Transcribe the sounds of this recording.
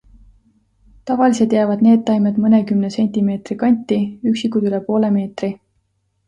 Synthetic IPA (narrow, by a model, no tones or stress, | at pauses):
t̪ɑvɑliset̪jæːvɑd̪̚ne̞ːd̪̥̚t̪ɑjmed̪mɤnekymnese̞nʲt̪ime̞ːt̪rikɑnʲt̪ːˑiyksikːˑud̪ylepo̞ːle̞me̞ːt̪ri